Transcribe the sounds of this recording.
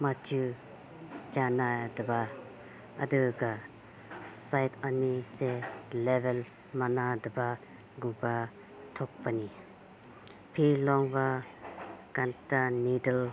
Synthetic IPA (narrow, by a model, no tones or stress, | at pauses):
mat͡ʃu | t͡ʃanad̪əba | ʔad̪uɡa | sajt̪aniselevel | manad̪əba | ɡuba | t̪ʰɔk̚pani | pʰilɔŋba | kant̪anidəl